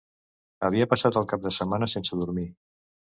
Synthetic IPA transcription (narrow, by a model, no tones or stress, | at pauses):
əβ̞iəpəsat̪əlˠkap̚d̪əsəmanəsensəðuɾmi